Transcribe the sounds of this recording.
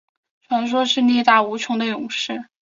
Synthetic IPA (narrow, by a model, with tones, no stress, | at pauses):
ʈ͡ʂʰwa˧˥nʂ̬wɔ˥ʂɻ̩˥˧njɛ˥˧t̪a˥˩u˧˥t͡ɕʰjʊ˧˥ŋd̪ə˧jʊ˨˩ŋʂɻ̩˥˩